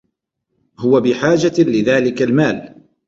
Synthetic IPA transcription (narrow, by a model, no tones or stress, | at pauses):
hʊwabɪħaːd͡ʒalɪðaːlɪkalmaːl